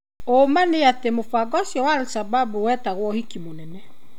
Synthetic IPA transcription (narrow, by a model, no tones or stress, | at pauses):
omaneatemofaɡɔsjɔwaɾosababuwɛtaɣwɔhikimonɛnɛ